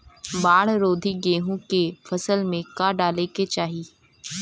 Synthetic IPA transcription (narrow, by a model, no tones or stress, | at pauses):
baːɽɾoːd̪ʱiɡeːɦũkefʰɐsəlmẽkaɖaːleket͡ʃaːɦiː